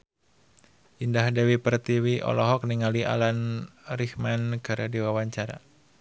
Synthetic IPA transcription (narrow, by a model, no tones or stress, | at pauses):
ʔindahdɛwipərt̪iwiʔɔ̰lɔɦɔk̚niŋaliʔa̰lanrihmankaɾadiwawaɲt͡ʃaɾa̰